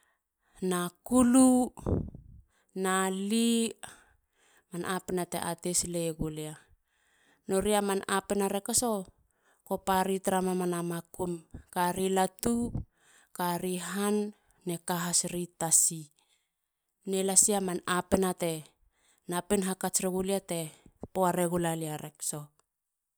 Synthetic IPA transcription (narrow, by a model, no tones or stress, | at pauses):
nakulu | nali | manʔapenatḛʔatesleɡolea | no̞ɾiamanapenaɾekaso | kopaɾitɾamamanamakumkaɾilatu | kaɾiɦanː | e̞kaɦasɾitasi | nelasiamanapenate̞ | napenɦakat͡ʃɾeɡuliate̞poaɾeɡulaliaɾekso